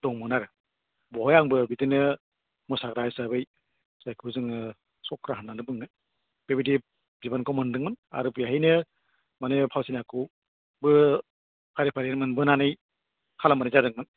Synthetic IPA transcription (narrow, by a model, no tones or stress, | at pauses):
d̥ɔŋmɯnaɾɯ | bɔhɔjaŋbɯbidɯnɯ | mɔsaɡɾajsabɯj | z̥ajkʰɯzɯŋɯ | sɔkʰɾaɦanːanɯbɯŋɯ | b̥ebidi | zibankɔmandɯŋmɯna̰ɾɯbjaɦijnɯ | manɯpʰawsinaku | bɯ | kʰaɾipʰaɾenmɯnbɯnanɯj | kʰalamanizadɯŋmɯn